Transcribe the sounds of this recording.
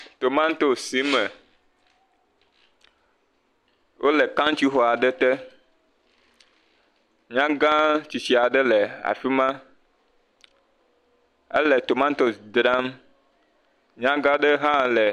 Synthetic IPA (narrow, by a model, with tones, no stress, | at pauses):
t̪o˨mã˦n˦t̪o˦si˨˦mɛ˨ | wʔo˦lɛ˨kã˦ŋ˦t͡ɕi˦xɔ˨a˨ɖə˦t̪ɛ˦ | ɲã˦ɡã˦t͡ɕi˨t͡ɕi˨a˨ɖə˦lɛ˨a̰˨fi˦mã˦ | ə̰˦lɛ˨t̪o˨mã˦nt̪o˨sd̪ɾa˦m | ɲã˦ɡã˦ɖə˦ɦã˦lɛ˨